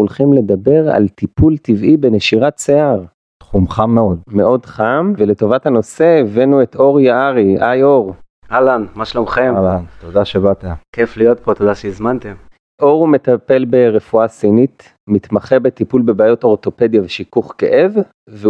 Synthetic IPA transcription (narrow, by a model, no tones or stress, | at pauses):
ulχimle̞d̪abe̞ʁa̰lt̪ipult̪ivʔibe̞neʃiʁatt͡seaʁ | t̪χumχamːeo̞d̪me̞ʔo̞d̪χamvelet̪o̞vathano̞se̞ːvenuet̪o̞ʁjaaʁiʔajoʁ | alanmaʃalomχemalant̪od̪aʃebat̪akeflijot̪̚pot̪od̪aʃeizmant̪em | ʔo̞ʁumet̪ape̞lbe̞ʁefuasinit̪ | mit̪maχebet̪ipulbe̞baːjo̞to̞ʁt̪o̞pe̞d̪javeʃikuχke̞̰ʔev | ve